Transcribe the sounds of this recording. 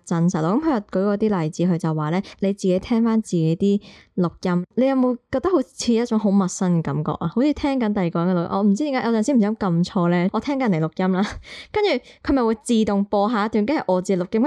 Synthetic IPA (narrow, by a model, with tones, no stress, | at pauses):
t͡sɐ˧nsɐ˨˩lɔː˨˥kɐ˨˥mpʰjɐ˨˩kɵ˨˥ɥkɔː˧t̪iː˥lɐ˨jt͡siː˨˥ɦɵ˧ɥt͡sɐ˨waː˨˩lɛː˥le˨˧jt͡siː˨ke˨˧˥jt̪ʰɛː˥ŋfaː˥nt͡siː˨ke˨˥jt̪iː˥ | lʊ˨k̚jɐ˥mle˨˧jɐ˨wmo˨˧wkɔː˧t̪ɐ˥ho˨˥wt͡sʰiː˧jɐ˥t̚t͡ʃʊ˨˥ŋɦo˨˥wmɐ˨t̚sɐ˥nkɛː˨˧kɐ˨˥mkɔ̰ː˨k̚aː˧ho˨˥wt͡sʰiː˧t̪ʰɛː˥ŋkɐ˨˥nt̪ɐ˨jkɔ˨ŋkɛ˧lkj̰ʔɔː˨˧m̩˨˩t͡si˥t̪i˧˥ŋaː˦˥jɐ˨˧wt͡sɐː˨nsiː˨˥m̩˨˩˨jɐ˥kɐ˧mt͡ʃʰɔː˧lɛː˥ʔɔː˨˧t̪ʰɛː˥ŋkɐ˨˥nle˨˩lʊ˨k̚jɐ˥mlaː˥kɐ˥nt͡ʃyː˨˩kʰɵ˨˧mɐ˨˩jwuː˨˧jt͡siː˨t̪ʊ˨ŋpɔː˧ɦaː˨˧ɐ˥t̪y˨nke˥hɐ˨˩jʔɔː˨˧t͡siː˨˩lʊ˨k̚jɐ˥